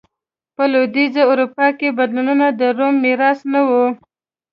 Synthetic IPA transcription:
pəlod̪izaʊɾupɑkebad̪lununad̪əɾomːiɾɑsnawu

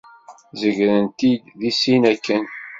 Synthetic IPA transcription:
zəʝɾənt̪id̪ðisinækːən

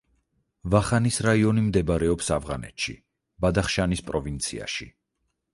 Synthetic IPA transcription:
vaχanisɾaiɔnimd̪ɛbaɾɛɔpsavʁa̰nɛ̰t̪ʃḭ | bad̪aχʃanispʼɾɔvint̪sʰḭa̰ʃḭ

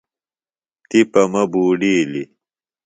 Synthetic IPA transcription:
t̪ipɐmɐbuːɖiːli

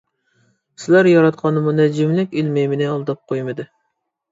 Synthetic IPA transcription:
sɪlæɾjɑɾɑt̪qʰɑnɨmunɛd͡ʒɪmlɪkʲilmejmɪnɪɑlˠd̪ɑp̚qʰojmɨd̪ɨ

